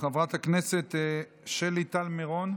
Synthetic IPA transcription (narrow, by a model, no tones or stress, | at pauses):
χavʁat̪akneset̪ | ʃelit̪almeʁon